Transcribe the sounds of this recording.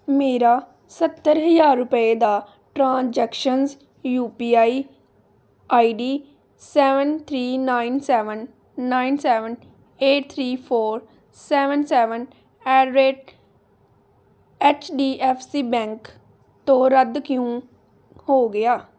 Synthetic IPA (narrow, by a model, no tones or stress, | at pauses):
meːɾaː | sət̪ːəɾɦəzaːɾːʊpəeːd̪aː | ʈɾãːnd͡ʒɛːkʃənz | juːpiːaːiː | aːiːɖiː | sɛːʋənt̪ʰɾiːnaːinsɛːʋənː | aːinsɛːʋən | eːʈ̚t̪ʰɾiːpʰoːɾ | sɛːʋənsɛːʋən | ɛːɾɾeːʈ | ɛːt͡ʃɖiːʔɛːfsiːbɛ̃ːŋk | t̪õːɾəd̪kɪjõː | hoːɡɪaː